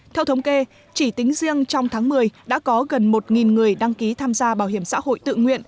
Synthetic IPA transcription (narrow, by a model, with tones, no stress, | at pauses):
t̪ʰɛ˧wt̪ʰə˨˦wŋ͡mke˧ | t͡ɕi˧˩t̪i˨˦ŋ̟zi˧əŋt͡ɕɔ˧wŋ͡mt̪ʰaː˨˦ŋmɨ˨˩əjɗa̰ː˧˥kɔ˨˦ɣə˨˩nmo˨˩t̚ŋi˨˩nŋɨ˨˩əjɗa˧ŋki˨˦t̪ʰaː˧mzaː˧ɓaː˧˩whi˧˩əmsa̰ː˧˥ho̰˧˨jt̪ɨ̰˧˨ŋwḭ˧˨ən